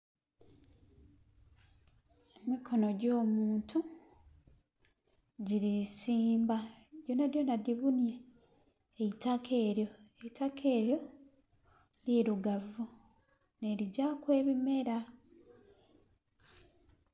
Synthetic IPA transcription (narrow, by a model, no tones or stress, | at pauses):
emikʰo̞no̞ɟo̞ːmuːntʰu | ɟiɾisiːmbaɟonadjo̞nadiβunje̞ː | itakʰe̞ːɾjo̞e̞itakʰe̞ːɾjo̞ | liːɾuɡavu | ne̞ɾiɟaːkwe̞ːβime̞ɾa